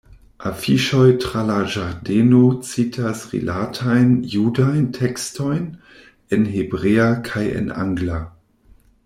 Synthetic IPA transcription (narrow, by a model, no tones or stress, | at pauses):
ʔafiʃɔjtʁ̥alaʒaʁdeːnot͡sitʰasʁḭlʔatʰajnjuːdajntʰɛkstojn | ɛnɦebʁeːakʰajɛ̰nʔa̰ŋɡla